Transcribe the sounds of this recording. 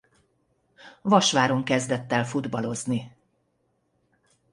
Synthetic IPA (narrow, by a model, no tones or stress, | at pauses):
vɒʃʋaːɾo̞ŋkɛzd̪ɛt̪ːɛlfud̪bɒlo̞zni